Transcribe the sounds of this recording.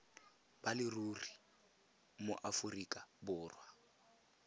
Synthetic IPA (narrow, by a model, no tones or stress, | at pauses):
balɪruri | mo̰ʔafʊrikʼabʊːrwa